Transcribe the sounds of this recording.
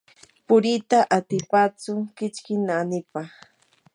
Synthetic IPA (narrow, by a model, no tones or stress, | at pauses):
pʊɾɪt̪aʔat̪ɪpat͡sʊkɪt͡ʃkɪnanɪpɑχ